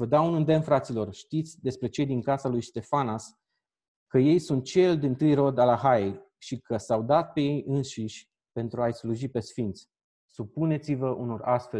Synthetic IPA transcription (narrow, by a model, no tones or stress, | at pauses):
vəd̪aunɨnd̪e̞mfɾat̪silo̞rʃt̪it̪sʲd̪e̞spɾe̞t͡ʃe̞jd̪iŋkasalujst̪e̞fanas | kəje̞jsunt̪̚t͡ʃe̞ld̪int̪ɨjro̞d̪alaɦae | ʃikəsawd̪at̪̚pe̞je̞jɨnʃiʃʲ | pe̞nt̪ɾuajsluʒipe̞sfint̪sʲ | supune̞t̪sivəʔunorast̪fe̞